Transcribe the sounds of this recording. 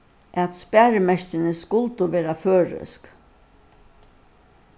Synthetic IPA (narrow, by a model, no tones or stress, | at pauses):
ʔæt̪spæːɹɪmɛʂcɪnɪskʊlt̪ʊʋeːɾaføːɹœ̰sk